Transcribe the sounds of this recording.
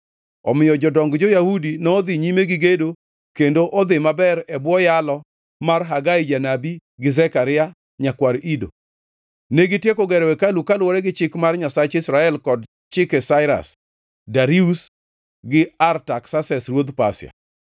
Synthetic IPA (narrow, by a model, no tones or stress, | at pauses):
ɔmɪjɔd͡ʒɔdɔŋɡd͡ʒɔjahudinɔːd̪ɪɲimeɡɪɡedo | kendoʔod̪ɪmabɛɾɛbwɔjalɔ | marɦaɡaid͡ʒanabiɡɪzɛkaɾɪa | ɲakwaɾido̰ | neɡɪtjekɔɡɛɾɛwɛkalukalwɔɾɛɡɪt͡ʃɪkmarɲasat͡ʃɪsɾaɛlkɔd | t͡ʃɪkɛsaɪɾa̰s | daɾius | ɡɪartaksasɛsrwod̪pa̰sja̰